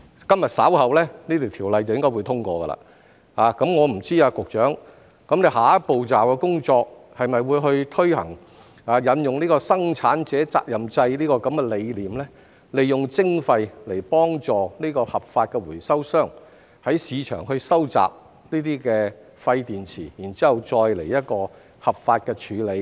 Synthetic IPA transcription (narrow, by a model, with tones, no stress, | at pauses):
kɐ˥mjɐ˨t̚sa̰ː˨˥whɐ˨wlɛː˥niː˥t̪ʰi˨˩t̪ʰiː˨˩wlɐ˨˧jt͡sɐ˨wjɪ˥ŋkɔ˥wu˨˧jt̪ʰʊ˥ŋkɔː˧ɡɐ̰˧la̰ː˨ | haː˨˧kɐ˨˥mŋɔː˨˧m̩˨˩t͡siː˥aː˧kʊ˨k̚t͡ʃœː˨˥ŋ | kɐ˨˥mle˨˧jɦaː˨˥ɐ˥po˨wt͡saː˨wkɛ˧kʊ˥ŋt͡ʃɔː˧k̚ | hɐ˨jmɐ˨jwuː˨˧jɦɵ˧ɥt̪ʰɵ˥ɥhɐ̰˨˩ŋ | aː˨˧jɐ˨˧njʊ˨ŋniː˥kɔː˧sɐ˥ŋt͡sʰaː˨˥nt͡sɛː˨˥t͡sa̰ː˧k̚jɐ˨mt͡sɐ˧jliː˥kɔː˧kɐ˨˥mkɛː˧le˨˧jliː˨˩mlɛː˥ | le˨jjʊ˨ŋt͡sɪ˥ŋfɐ˧jle˨˩jpɔː˥ŋt͡sɔː˨niː˥kɔː˧hɐ˨˩p̚faː˧t̚kɛː˧wuː˨˩jsɐ˥wsœː˥˩ŋ | hɐ˨˥jsiː˨˧t͡ʃʰœ̰ː˨˩ŋhɵ˧ɥsɐ˥wt͡sa̰ː˨p̚ | niː˥t̪iː˥kɛː˧ | fɐ˧jt̪iː˨nt͡sʰḭː˨˩jiː˨˩nt͡siː˦˥hɐ˨wt͡sɔː˧jle˨˩jɐ˥t̚kɔː˧ | hɐ˨p̚faː˧t̚kɛː˧t͡ʃʰyː˨˧le˨˧j